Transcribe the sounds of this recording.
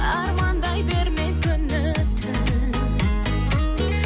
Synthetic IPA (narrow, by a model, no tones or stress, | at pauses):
ɑɾmɑnd̪ɑjbe̞ɾmekʲʰʏnːɪt̪ʰɪ